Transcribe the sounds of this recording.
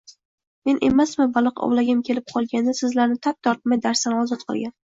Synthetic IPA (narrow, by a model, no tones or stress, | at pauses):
me̞nʔe̞̰masmɪbalˠɨqɒ̰wlaɡʲɪmkʲʰe̞lɪp̚qʰɒlˠɡʲand̪asɪzlaɾnɪt̪ʰap̚t̪ʰɒɾt̪̚majd̪aɾst̪anɒzɒt̪qʰɨ̰lˠɡʲan